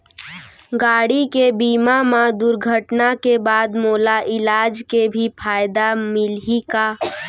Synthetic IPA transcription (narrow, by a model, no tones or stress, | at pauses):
ɡaːɽikebiːmamad̪ʊɾɡʱəʈnakebaːd̪moːlaʔɪlaːd͡ʒkebʱipʰaːɪd̪amɪlika